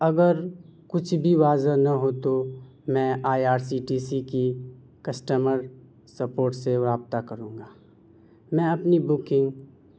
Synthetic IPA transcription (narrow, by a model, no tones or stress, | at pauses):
ɐɡəɾkʊt͡ʃʰbʱiʋaːzanɐɦot̪o | mɛ̃ːaːjaːɾsiʈiːsiki | kɐsʈəməɾ | sɐpoːɾʈseʋɾaːb̚t̪akɐɾũːŋɡaː | mɛ̃ɐpnibʊkɪ̃ŋɡ